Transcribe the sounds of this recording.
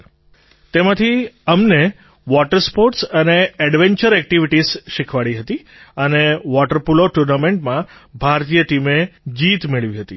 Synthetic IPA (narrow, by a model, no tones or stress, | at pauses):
t̪emãt̪ʰiəmne | ʋɔʈəɾspoɾʈsəneɛɽʋẽɲt͡ʃəɾɛk̚ʈiʋiʈizʃikʰʋaɭiɦət̪i | əneʋɔʈəɾpuloʈuɾnamẽɳʈmãbʱaɾt̪ijəʈimed͡ʒit̪meɭʋiɦət̪i